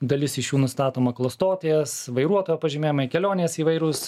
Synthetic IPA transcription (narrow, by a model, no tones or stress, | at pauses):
d̪ɐlʲɪsɪʃjuːnʊst̪ɑːt̪oːmɐklˠoːst̪oːt̪ʲeɛsʋɐɪɾuɔt̪oːjɛːpɐʒʲɪmʲeːjmɐɪkʲɛlʲoːnʲeːsiːʋɐɪɾʊs